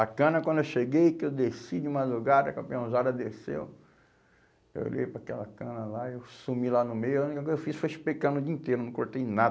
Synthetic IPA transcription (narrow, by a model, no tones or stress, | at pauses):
ɐkɐ̃nɐkwɐ̃d̪ʊewʃeɡejkɪewd̪esid͡ʒɪũmad̪ɾuɡaɾɐkɐ̃mpiɐ̃zad̪ɐd̪esḛw | ḛwo̰ʎḛjpɾakɛlɐkɐ̃nɐlaewsumilanʊmejʊaũnikɐkojzɐewfisfojʃpekɐ̃nʊd͡ʒiĩt̪ejɾoenɐ̃koɾt̪ejna